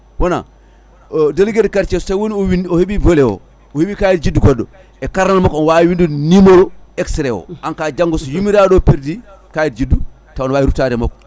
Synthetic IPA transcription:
wɔna̰ | delɡedkaɾt͡ʃɛsɔsajwoniɔwinɔhiɓivɔlɛwɔ̰ | ɔhiɓikajidd͡ʒidːuɡɔɗːɔ̰ | ɛkaɾnalmɔkɔnwaiwindunimɔɾɔɛksɾɛwɔ̰ankad͡ʒaŋɡɔsɔjumiɾaɗɔpiɾdi | kajɛdd͡ʒidːu | taɔnwaːjiɾutaɾɛmɔ̰kɔ

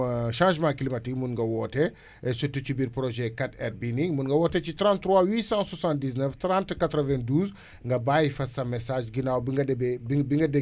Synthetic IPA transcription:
ʃãːʒmãklimatik̚munŋɡɐwɔtɛ | ɛsutːut͡ʃubiɾpɾoʒɛkatɛrbinĩŋmunŋɡɐwɔtɛt͡ʃitɾãntɾwawiːsãswasãnt̚diznəftɾãntkatɾəvɛ̃nduːz | ŋɡɐbaːjifɐsɐmɛsaːʒɡinawbiŋɡɐdɛbɛbibiŋɡɐde

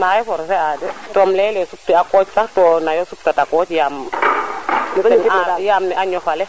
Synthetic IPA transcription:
majɔfɔɾsɛadɛtɔmlɛlɛsup̚tiakɔːt͡ʃsahtɔnajɔsup̚tatakɔːt͡ʃjaːm | nnajamnɛʔaɲɔfalɛ

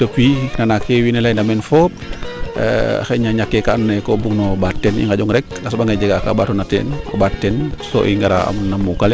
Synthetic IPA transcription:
təpːinanakewinɛlajndamɛnfɔp | a̰xɛɲaɲakːɛkannajkɔbuŋnɔbatːɛnḭŋɡaɟɔŋɾɛk̚lasbaŋɡad͡ʒɛɡaka̰batɔnatɛ̰nɔ̰batːɛnsɔ̰ʔḭŋɡaɾa̰a̰mnamukalɛ

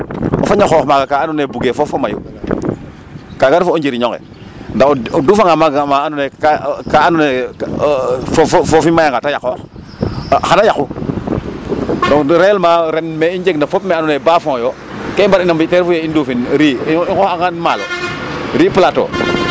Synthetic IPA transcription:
ɔfaɲaxɔxmaɡakaanunebuɡefofomajṵ | kaɡaɾfuɔɲd͡ʒiɾiɲɔŋɛ̰ | ndaɔduːfaŋɡamaɡamaanuneakaanune | fffofimajaŋɡatajakɔːx | xanajaxu | dɔŋɾɛːlmaːɾenmɛiɲd͡ʒeɡnafopmanunebaːfɔ̃ːjoː | kembaɾinambitɛɾfujeinduːfinɾiːikɔxaŋanmalɛɾiːpulato̰ː

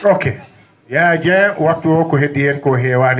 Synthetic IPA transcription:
oke | jad͡ʒɛwak̚tokoɦedienkoɦewan

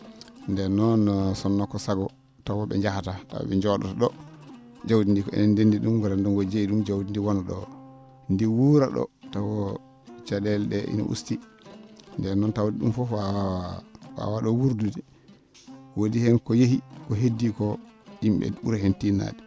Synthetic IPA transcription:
ndɛnɔnsɔnːɔkɔsaɡɔ | tawɔɓɛ̰ɲd͡ʒahatata̰ɓɛɲd͡ʒɔɗɔ̰taɗɔ | d͡ʒawdindikɔɛ̰nɛndendiɗumɡɛɾandunɡɔd͡ʒeiɗumd͡ʒawdindiwɔnaɗɔ̰ | ndiwuɾaɗɔ̰tawɔ | t͡ʃadɛlɗɛʔḭnɔ̰ʔṵsti | ndɛnɔntawdiɗumfɔfaafa̰waɗɔwuɾdudi | wodihɛnkɔjehikɔɦedːikɔimɓɛ̰uɾahentina̰di

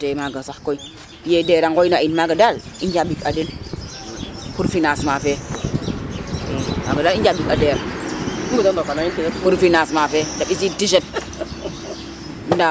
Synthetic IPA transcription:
temaɡansakoi | jedeɾaŋɡojnainmaɡadal | ind͡ʒabikaden | kuɾfinasmafe | ema̰ɡadaind͡ʒabikadeɾaubutandokanainfiakuɾfinasmafedabis̬itiʃ̬et | nda

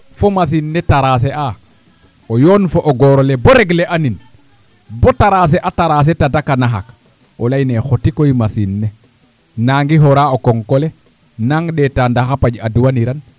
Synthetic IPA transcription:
fomas̬inːetaɾaseʔa | ojoːnfoʔoɡoɾoleboɾeɡleʔanin | botaɾas̬eʔataɾas̬etatakanaɦa̰k | olajnexotikojimasinːe | naŋɡiɦoɾaokoŋkole | naŋɗetandaxapaɟaduwaniɾan

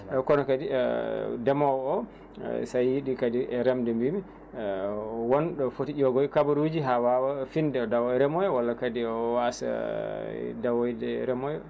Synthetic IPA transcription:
ɛkɔnɔkadi | dɛmɔwɔ̰ | sajːiɗikadiʔɛɾɛmdɛmbimi | wɔnɗɔfotid͡ʒɔɡɔjkabaɾud͡ʒiɦawawafindɛɔdawɔjɾɛmɔjɔwalːakadiɔwasa̰ | dawɔjdɛɾɛmɔjɔ

